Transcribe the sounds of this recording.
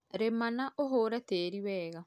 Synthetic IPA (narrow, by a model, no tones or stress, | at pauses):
ɾemanaʔoɦoːɾɛteɾiwɛːɣa